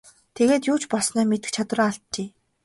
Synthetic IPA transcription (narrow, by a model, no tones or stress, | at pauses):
t̪ʰeɣeːt̪jʊːt͡ɕpɔɮsnœːmet̪ɘ̆k̚t͡ɕʰat̪w̆raːaɬt̪̚t͡ɕeː